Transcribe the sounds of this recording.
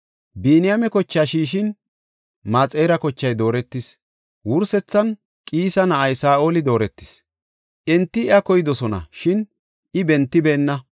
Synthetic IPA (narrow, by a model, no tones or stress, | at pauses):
biːnɪjɐmɛkɔt͡ʃːaːʃiːʃ̬ɪn | maːt͡sʼe̞ːɾɐkɔt͡ʃːɐjd̪o̞ːɾɛt̪ːɪs | wʊɾsɛt͡sːɐn | kʼiːsɐnɐʔɐjsaːʔo̞ːlɪd̪o̞ːɾɛt̪ːɪ̥s | ʔɛnt̪ːɪɪɐkɔjɪd̪ɔsɔnɐ̰ʃɪn | ɪbɛnt̪ːɪbeːnːɐ